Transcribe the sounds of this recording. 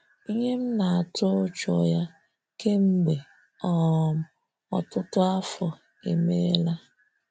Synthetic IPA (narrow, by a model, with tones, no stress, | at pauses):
i˦ɲe˦m̩˦na˨a˨tʊ˦t͡ʃɔ˨ja˦ | ke˦ŋ͡m̩˦ɡ͡be˨ | ɔ˦˨m̩˦ | ɔ̰˨tʊ˦tʊ˦a˦fɔ˨ | ḛ˨me˦la˦